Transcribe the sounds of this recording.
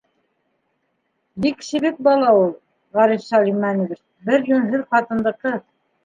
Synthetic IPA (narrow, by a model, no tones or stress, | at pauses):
bikʃɘ̆βɘk̚bɑlˠɑulˠ | ʁɑɾifsɑlʲimːænɘ̆βɘɾ | bɘɾjɵnɦɘðχɑt̪ɤ̆nlˠɤ̆q̚t̪ɤ